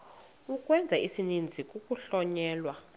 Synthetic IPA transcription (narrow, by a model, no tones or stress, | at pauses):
ukʼwɛnd͡zʱaisinind͡zʱik̬ʼukʼuɬɔɲɛːlwa